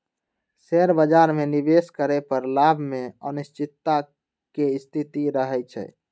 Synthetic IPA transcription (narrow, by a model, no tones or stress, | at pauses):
seɾbəd͡ʒaɾmenibeskəɾɛpəɾlabʱmeənist͡ʃit̪ːa | keist̪ʰit̪iɾəɦɛt͡ʃʰɛ̰